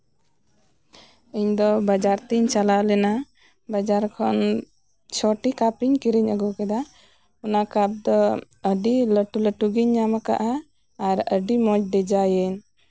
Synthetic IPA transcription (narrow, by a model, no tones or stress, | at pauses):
iɲd̪ɔbad͡ʒaɾt̪iɲt͡ʃalalɛna | bad͡ʒaɾkʰɔn | t͡ʃʰɔʈikapiɲkiɾiɲəɡɔkɛd̪a | ɔnakap̚d̪ɔ | əɖiləʈuləʈuɡiɲːamaka̰ʔaː | ɾəɖimɔd͡ʒ̚d̪ɛd͡ʒajɛɲ